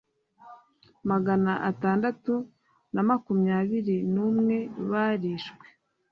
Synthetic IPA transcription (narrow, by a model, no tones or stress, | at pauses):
maɡanaʔataːndatu | namakumɲaːβiɾinumŋe̞βaɾiʃkwe̥